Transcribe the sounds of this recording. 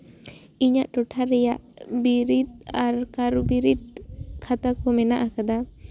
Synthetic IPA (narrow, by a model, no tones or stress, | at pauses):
iɲaʔʈɔʈʰaɾɛjaʔbiɾit̪aɾkaɾubiɾit̪̚kʰat̪akomɛnaʔakad̪a